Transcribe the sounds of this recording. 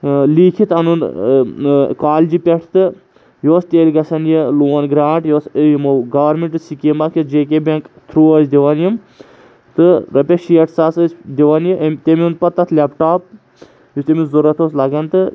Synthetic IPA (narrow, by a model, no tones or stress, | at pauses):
liːkʰit̪ɐnun | kaːlʲd͡ʒipʲeʈʰt̪ɨ | joːst̪eːlʲɡɐsɐnjiluːɐnɡɾaːɳʈjoːsəjimɐwɡɐʋɐɾmiɳʈɨsikemɐkʰjid͡ʒeːk̬ebɐŋkt̪ʰɾuːɐzd̪iʋɐnjim | t̪ɨɾɐpʲeʃiɐʈʰsaːsɨsʲd̪iʋɐnjiʔmt̪emiun̚pɐt̪ːɐt̪ʰlʲapʈaːp̚ | just̪emizuɾɐt̪ʰoːslɐɡɐnt̪ɨ